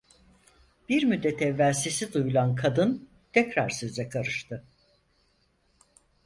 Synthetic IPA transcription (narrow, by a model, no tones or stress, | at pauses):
b̥iɾmyd̪ːɛt̪ʰɛvːælʲsesid̪ujulˠankʰad̪ɯn | t̪ʰɛcɾaɾsøzɛkʰaɾɯʃt̪ʰɯ